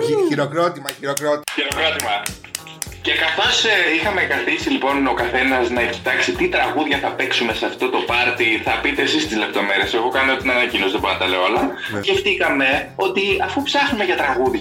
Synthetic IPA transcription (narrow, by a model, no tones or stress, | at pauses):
iiɾokɾot̪imɐiɾokɾot̪çiɾokɾo̞t̪imɐ | ce̞kɐθo̞sixɐmekɐθisilipo̞no̞kɐθe̞nɐznɐeki̥t̪ɐksit̪it̪ɾɐɣuðʝɐθɐpeksume̞seɐft̪o̞t̪o̞pɐɾt̪iθɐpit̪e̞ːsist̪izle̞p̚t̪o̞me̞ɾiese̞ɣo̞kɐnot̪inɐnɐcino̞zðeboɾɐt̪ɐleolɐ | sce̞ft̪ikɐme̞ | o̞t̪iɐfupsɐxnume̞ʝɐt̪ɾɐɣuðʝ